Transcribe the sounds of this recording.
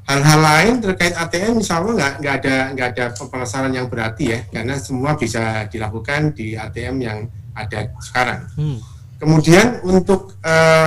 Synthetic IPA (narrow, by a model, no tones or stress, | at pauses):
halɦalaɪnt̪ərkaɪt̪at̪eɛmmisalɲaŋɡaʔŋɡaːdaŋɡaadapəlasaɾanjaŋbəɾat̪ijahkarənasəmuabisad̥ilakukandiat̪eɛmjaŋ | adasə̥kaɾa̰ŋ | kəmudianunt̪ʊk̚ | ə